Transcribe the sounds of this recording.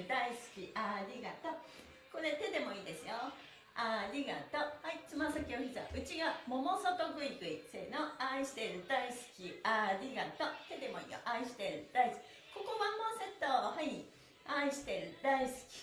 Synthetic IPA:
d̪aisɨ̥kʲiʔaɾʲiɡat̪o | ko̞ɾe̞t̪e̞d̪e̞mo̞iːd̪e̞sɨjo | aɾʲiɡa̰t̪ohait͡sɨmasakʲiokʲizɨβa̰ʔɯ̟t͡ɕiɡamo̞mo̞sot̪oɡɯ̟ikɯ̟isenoaiɕi̥t̪eɾɯ̟d̪aisɨ̥kʲiaɾʲiɡat̪ot̪e̞d̪e̞mo̞ḭːjo̰ʔaiɕi̥t̪eɾɯ̟d̪aisɨ̥i | ko̞komamːõset̪ːohai | aiɕi̥t̪eɾɯ̟d̪aisɨ̥kʲi̥

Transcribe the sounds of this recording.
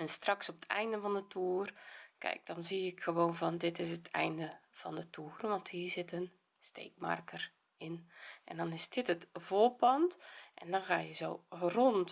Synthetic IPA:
ɛnstraksɔpə̥tʰɛ̰jndəvɔndətʰuːərkɛ̰jk̚d̥ɔnziɪkxəʋoːnvɔndɪtɪs̬ətʰɛ̰jndəv̥ɔndətʰuːrʋɔnthiːrzɪtən | stḛːkma̰rkər | ɪnʔɛ̰ndɔnɪsdɪtətvoːpɑntʔɛ̰ndɔnxaːjəzoːront

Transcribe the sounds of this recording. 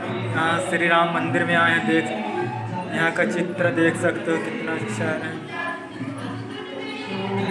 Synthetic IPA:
ɦãʃɾiɾaːmːɐ̃nd̪ɪɾmẽaːjãd̪eːkʰ | jɐɦãkat͡ʃɪt̪ɾəd̪eːkʰsɐkt̪eɦõkɪt̪naʃʃaːɾɦɛ̃

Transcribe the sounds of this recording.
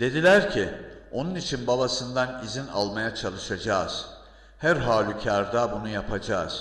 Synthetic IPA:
d̪̥e̞d̪ilʲæɾcʰio̞nunit͡ʃʰinbabasɯnd̪anizina̰lˠmajat͡ʃʰalˠɯʃad͡ʒaːz̥ | hæɾɦaːlʲycʰaɾd̪abunujapʰad͡ʒaːz̥

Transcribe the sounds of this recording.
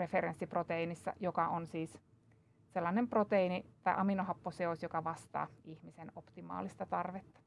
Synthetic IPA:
refeɾensːiprot̪einisːɑ̰jokɑonsiːs | selːɑnemprot̪einit̪ɑjʔɑminoɦɑpːoseosjokɑʋɑst̪ɑ̰ːihmisenopt̪imɑ̰ːlist̪ɑt̪ɑrʋet̪ːɑ̥

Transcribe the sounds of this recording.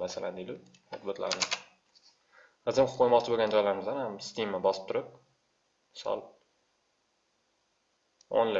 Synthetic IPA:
masala̰nd̪ed̪ɪ | o̰t̪bot̪la̰ɾnɪ | ɨzɪmqʰːojmɒt͡ʃʰɪboɡʲand͡ʒɒjlaɾɪmɪzd̪anhamst̪imːabɒsɪ̥pt̪ʊɾɪp̚ | mɪsɒ̰lˠ | o̰nlɪ

